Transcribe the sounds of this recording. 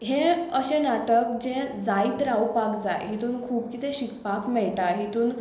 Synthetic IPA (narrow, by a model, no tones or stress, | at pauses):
ɦẽəɕẽnaʈək̚d͡ʑẽd͡zajt̪əɾawpakd͡za̰jɦit̪uːnkʰuːbkit̪ẽɕikpakmɛɭʈaɦit̪uːn